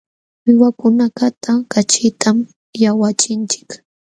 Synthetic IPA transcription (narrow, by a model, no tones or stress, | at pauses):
wɪwakʊnakat̪ʰakat͡ʃɪt̪ʰam | jawat͡ʃɪnt͡ʃɪ̥k